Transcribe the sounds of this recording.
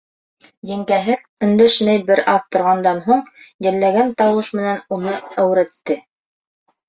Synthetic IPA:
jɘ̆ŋkæɦɘn | ɵ̆nd̪æʃmæjbɘɾɑðt̪ŏɾʁɑnd̪ɑnɦuɴjɘ̆lːæɡænt̪ɑwɤʃmɘ̆nænunɤæwɾæt̪ːɘ

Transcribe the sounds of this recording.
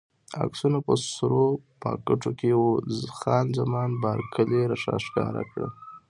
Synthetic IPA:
a̰ksunapəsɾopɑ̰kəʈ͡ʂokewozxɑnzamɑnbɑɾkʰəleɾaʂɑ̰ʃkɑ̰ɾa̰kɽə̰

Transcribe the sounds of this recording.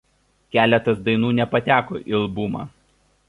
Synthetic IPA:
kʲæːlʲɛt̪ɐsd̪ɐɪnuːnʲɛpɐt̪ʲæːko̰ːʔɪlˠbuːmɑ̰ː

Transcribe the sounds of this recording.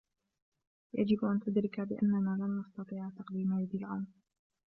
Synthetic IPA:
ja̰d͡ʒɪbʔant̪ʊd̪ɾɪkabɪʔa̰nːanaːlanːɑst̪ɑt̪ˤiːʕt̪aqd̪iːmajad̪ilʕaːm

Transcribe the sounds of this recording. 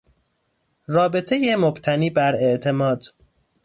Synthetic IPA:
rɒːbe̞t̪ʰejemobt̪ʰæniːbæɾe̞ʔt̪ʰe̞mɒːd̪̥

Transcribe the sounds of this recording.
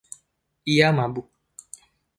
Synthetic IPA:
ijamabu

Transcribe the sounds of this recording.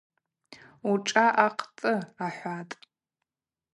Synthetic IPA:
uʈ͡ʂʼaʔaqʰʼt͡sʼɨaħʷatʼ

